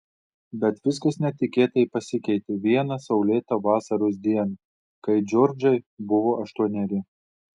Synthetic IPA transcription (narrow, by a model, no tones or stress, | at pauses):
bʲɛt̪ʋʲɪs̬kɐsnʲɛt̪ʲɪkʲeːt̪ɐiːpɐsʲɪkʲɛɪt̪ʲɪʋʲiɛnɐsɐʊlʲeːt̪ɐʋɑːsɐɾoːs̬d̪ʲiɛn | kɐɪd͡ʒʲɔːɾʲd͡ʒɐɪbʊʋoːʔɐʃt̪uɔnʲɛɾʲɪ